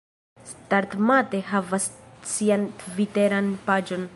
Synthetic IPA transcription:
staɾtmate̞ɦavassiantviteɾanpad͡ʒo̞n

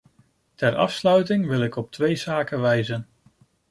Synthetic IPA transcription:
tɛɹɑ̰fslœɥtɪŋʋɪlˠɪkɔp̚tʋejz̥aːkəʋɛjzən

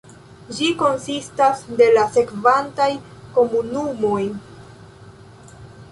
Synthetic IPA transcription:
d͡ʒiko̞nsistasde̞lase̞kvantajko̞munumo̞j

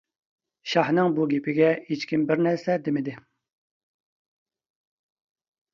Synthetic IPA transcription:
ʃɑhnɨŋbuɡʲepʰɪɡʲɛit͡ʃkʲimbɪɾnɛɾsɛd̪emɪd̪ɪ

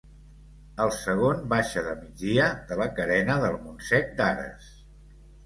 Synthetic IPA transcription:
əlˠsəɣ̞onbaʃəðəmid͡zðiəðələkəɾɛnəðəlˠmunsɛk̚d̪aɾə̰s

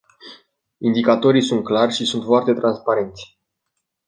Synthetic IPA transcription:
ind̪ikat̪o̞ɾijsunt̪̚klarʲʃisunt̪foart̪e̞t̪ɾanspaɾe̞nt̪sʲ

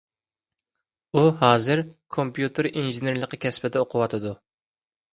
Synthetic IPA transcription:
uɦɑːzɨɾkʰompjut̪ʰɨɾinʒɪneɾlˠəqəkʲʰɛspɪd̪ɛoqʰʊwɑt̪ʰɨd̪u

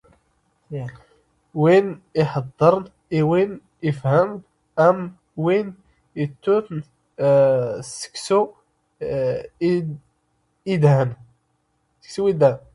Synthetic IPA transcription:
winiħɑd̪ˤːəɾˤn | iwin | əfhəmn | ʔæm | win | it̪ːut̪n | sə̥ksu | id̪hæn | sə̥ksuwid̪hæn

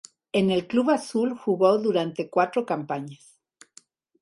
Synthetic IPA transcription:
enelkluβasulxuɣoðuɾant̪ekwat̪ɾokampaɲas

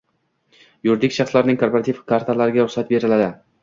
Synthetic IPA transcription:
jʊɾd̪ɪkʲʃɑχslaɾnɪŋkʰoɾpoɾat̪ʰivkʰaɾt̪ʰalaɾɪɡʲaɾʊχsat̪̚be̞ɾɪlad̪ɪ

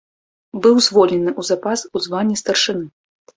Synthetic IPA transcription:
bɨwzvɔlʲɛnɨʔuzapasuzvanʲːist̪ɐrʂɨnɨ

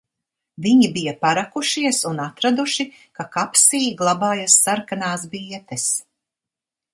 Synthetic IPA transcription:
viɲibijapaɾakuʃiɛsunat̪ɾad̪uʃi | kakapsiːɡlˠabaːjasːaɾkanaːsbiɛt̪ɛs

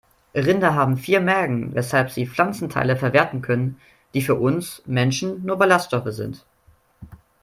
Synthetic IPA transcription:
ʁɪndɐɦaːbm̩fiːɐmɛɐɡŋ̩vɛshalpz̥iːflant͡sn̩tʰa̰ɪləfɛɐveːɐtn̩kʰœnən | d̥iːfyːɐʔʊnsmɛnʃn̩nuːɐbalastʃtɔfəzɪ̰nt

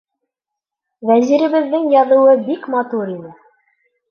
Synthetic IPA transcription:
væziɾɘ̆βɘ̆ðːɘŋjɑðɤ̆wɤbikmɑt̪uɾinɘ

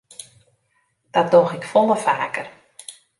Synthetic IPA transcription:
d̥ɔt̚doxɪkfɔlˠəfaːkər

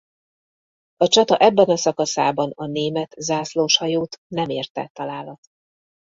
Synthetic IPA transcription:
ɒt͡ʃɒt̪ɒʔɛbːɛnɒsɒkɒsaːbɒnɒneːmɛt̪zaːsloːʃhɒjoːt̪nɛmeːrt̪ɛ̰t̪ːɒlaːlɒt̪

